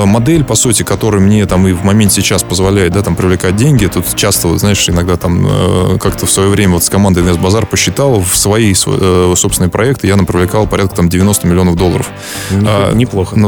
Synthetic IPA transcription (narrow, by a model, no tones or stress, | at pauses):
mɐd̪ɛlʲpɐsutʲɪkɐt̪o̞ɾʊjʊmnʲet̪amɨvmɐmʲent̪sʲɪt͡ɕaspəzvɐlʲæɪt̪d̪at̪ampɾʲɪvlʲɪkat̚ʲdʲenʲɡʲɪt̪ut̪t͡ɕast̪əot̪znaɪʂɪnɐɡd̪at̪am̰kakt̪əfsvɐjo̞vɾʲemʲəvot̪skɐmand̪əɪd̪nʲɛsbɐzarpəɕːɪt̪alˠəfsvɐisso̞psʲɪnəjəpɾʔɐɛk̚t̪ɨjat̪ampɾʲɪvlʲɪkalˠpɐɾʲat̪̚kə̥t̪amdʲɪvʲɪno̞st̪əmʲɪlʲɪo̞nəvd̪olˠːəɾə̰f | anʲɪplˠoxən